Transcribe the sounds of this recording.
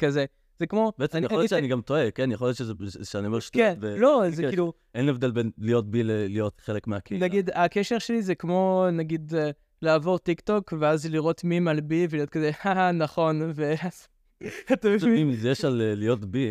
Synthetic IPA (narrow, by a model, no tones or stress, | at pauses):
kaze | z̥ekmo̞beet͡semijljotʃeaniɡamt̪oekenjeχoljott͡ʃezeʃeaniomeʃtenvelo̞zilu | ʔenevd̪elbenlijo̞t̚bilelijo̞tχelekmeakinaɡidakeʃeʁʃelizekmo̞naɡid | laːvo̞ʁtikto̞kveazliʁo̞tmimalbivelijo̞t̚kazehanaχo̞nveaz | at̪aimzejeʃalelijo̞tbi